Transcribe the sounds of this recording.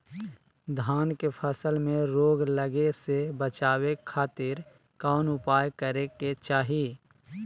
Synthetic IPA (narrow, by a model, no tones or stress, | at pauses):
d̪ʱaːnkepʰəsəlmẽɾoːɡləɡesebət͡ʃaːwekʰaːt̪ɪɾ | kaːnʊpaːjkəɾeket͡ʃaːɦi